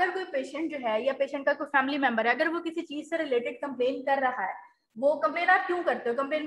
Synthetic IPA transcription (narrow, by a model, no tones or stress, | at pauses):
əɾkoːipeːʃə̃ɳʈ̚d͡ʒoːɦɛːjapeːʃə̃ɳʈ̚kakoːifɛːmlimɛ̃mbəɾɦɛɐɡəɾʋokɪsit͡ʃiːzseɾɪleːʈɪɖ̚kɐ̃mpleːnkɐɾːɐɦaɦɛː | ʋoːkɐ̃mpeːnaːp̚kjũːkɐɾt̪eɦokɐ̃mpẽːn